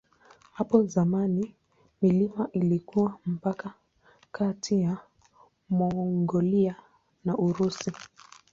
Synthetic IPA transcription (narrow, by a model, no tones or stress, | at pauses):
hapɔzamani | milimaʔilikuwam̩paka | kʰatʰija | mɔŋɡɔlia | naʔuɾusi